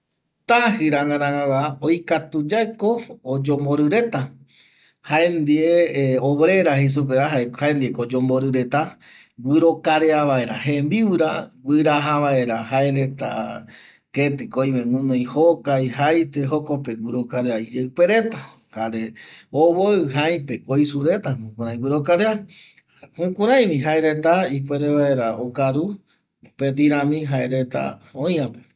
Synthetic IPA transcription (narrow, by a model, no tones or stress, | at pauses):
t̪ahɨɾaŋaɾãŋawaojkat̪ud͡ʒaekoːd͡ʒomboɾɨɾe̞t̪a | haend̪ieoβɾe̞ɾahis̬up̬eaɦaehaẽnd̪iekod͡ʒomboɾɨɾe̞t̪a | ɡwɨɾokaɾeaβae̞ɾahẽmbiwɾaɡwɨɾaɦaβae̞ɾaɦaeɾet̪a̰ | ket̪ɨkojmeŋũnõj̃hokajɦajt̪eɦokopewɨɾokaɾeaid͡ʒeɨpeɾet̪a | kaɾeoβoɨɦaj̃pekojsuɾe̞t̪amũkũɾãj̃wɨɾokaɾea | hũkũɾãj̃mĩɦaeɾet̪aip̬ʷeɾeβaeɾaokaɾu | pet̪̬iɾãmĩɦaeɾet̪a̰õj̃ãpe